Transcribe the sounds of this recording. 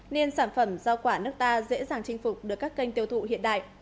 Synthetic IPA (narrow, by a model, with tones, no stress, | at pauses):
ne˧nsaː˧˩nfə˧˩mzɔ˧kwaː˧˩nɨ˦˥ək̚t̪aː˧zḛ˧˥zaː˨˩ŋt͡ɕï˧ŋ̟fʊ˨˩k͡p̚ɗɨ˨˩əkːaː˦˥kːə˧jŋ̟t̪i˧əwt̪ʰṵ˧˨hḭ˧˨ənɗa̰ː˧˨jʔ